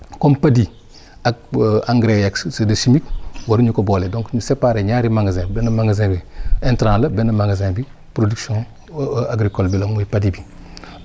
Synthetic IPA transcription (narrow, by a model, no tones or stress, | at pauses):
kompadi | ak̚aŋɡɾejakssedɐsimikwɐɾuɲukoboːledõŋkɲusepaːɾeɲaːɾimaŋɡazẽːbenɐmaŋɡazẽbientɾãlɐbenɐmaŋɡazẽbi | pɾoduksõ | aɡɾikolbilɐmujipadibi